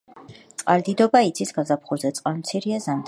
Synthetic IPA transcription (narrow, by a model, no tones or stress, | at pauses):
tt̪ʼqʼaɾd̪id̪ɔbait̪sʰisɡ̥azapʰχuzɛt̪sʼqʼanmt̪sʰiɾiazamt̪